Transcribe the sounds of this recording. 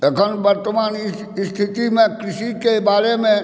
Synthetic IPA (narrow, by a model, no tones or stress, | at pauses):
ekʰənbəɾt̪əmaːnɪs | st̪ʰɪt̪imẽkɾɪʃikebaːɾemẽ